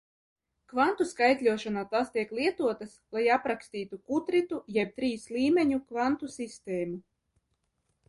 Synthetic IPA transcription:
kvant̪uskajt̪lʲuɔʃanaːt̪aːst̪iɛklˠiɛt̪uɔt̪aslˠajapɾakst̪iːt̪ukut̪ɾit̪ujɛb̚t̪ɾiːsliːmɛɲukvant̪usist̪ɛːmu

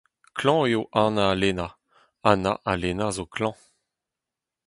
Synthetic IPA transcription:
klɑ̃eoʔanaːlena | anaʔalenazokʰlɑ̃

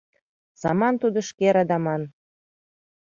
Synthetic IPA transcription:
sɑmɑnt̪ud̪ə̆ʃkeɾɑd̪ɑmɑn

